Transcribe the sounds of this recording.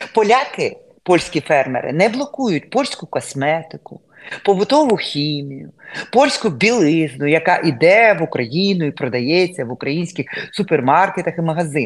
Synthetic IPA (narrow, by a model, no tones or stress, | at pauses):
pɔlʲakɪ | pɔlʲsʲkʲifɛrmḛɾɪ̰nɛblˠɔkujʊtʲpɔlʲsʲkʊkɔsmɛt̪ɪkʊ | pɔʋʊt̪ɔʋʊxʲimʲijʊ̰pɔlʲsʲkʊbʲilˠɪznʊjɐkɑʔid̪ɛʋʊkɾɐjinʊipɾɔd̪ɐjɛt͡sʲːɐʋʊkɾɐjinʲsʲkʲɪxsʊpermɑrket̪ɐximɐɦɐzɪ